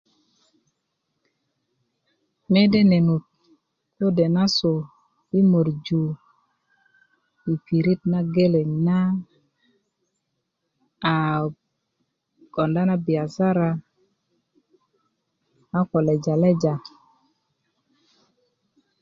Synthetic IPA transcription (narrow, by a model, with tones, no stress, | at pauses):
mɛ˦de˦ne˨nu˨t̚ | ko˦dɛ˨na˦so˨ | i˦mo˨ɾd͡ʒu˨ | i˨pi˨ɾi˦t̚na˦ɡe˦le˨ɲna˦˨ | kɔ˨nda˦na˦bi˨a˨sa˦ɾa˦ | a˦kɔ˨lɛ˨d͡ʒa˨lɛ˦d͡ʒa˨